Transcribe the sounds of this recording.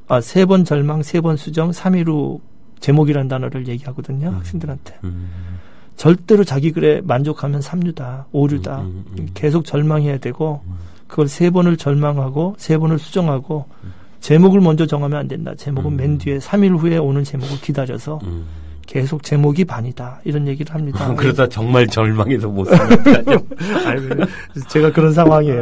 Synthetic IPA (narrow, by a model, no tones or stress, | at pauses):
asʰe̞bʌnt͡ɕʌɭmaŋsʰe̞bʌnsʰud͡ʑʌŋsʰamiɾu | t͡ɕe̞moɡiɾandanʌɾɯɭje̞ɡiɦaɡʌdɯɲohak̚s͈ʰeŋdɯɾɦantʰe̞ | t͡ɕʌɭt͈e̞ɾot͡ɕaɡiɡɯɾe̞mand͡ʑokʰamjʌnsʰamɲudaoɾudake̞sʰok̚t͡ɕʌɭmaŋɦe̞jadwe̞ɡo | kɯɡʌɭsʰe̞bʌnɯɭt͡ɕʌɭmaŋɦaɡosʰe̞bʌnɯɭsʰud͡ʑʌŋɦaɡo | t͡ɕe̞moɡɯɭmʌnd͡ʑʌt͡ɕʌŋɦamjʌnandwe̞nda̰t͡ɕe̞moɡɯnme̞ndie̞sʰamiɭɸue̞onɯnt͡ɕe̞moɡɯɭkidaɾjʌsʰʌ | ke̞sʰok̚t͡ɕe̞moɡipaɲid̥aiɾʌnje̞ɡiɾɯɭhamɲidakɯɾesat͡ɕʌŋmaɭt͡ɕʌɭmaŋedomo | aɡe | t͡ɕe̞ɡakɯɾʌnsʰaŋɦwaŋiejo